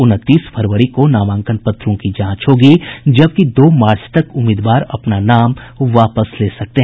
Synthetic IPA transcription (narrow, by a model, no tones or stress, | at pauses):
ʊnət̪ːiːspʰəɾʋəɾikonaːʋãːŋkənpɐt̪ɾõkid͡ʒãːt͡ʃɦoːɡid͡ʒɐb̚kid̪oːmaːɾt͡ʃt̪ɐkʊmɪːd̪ʋaːɾɐ̰pnanaːmʋaːpəsleːsɐk̚t̪eɦ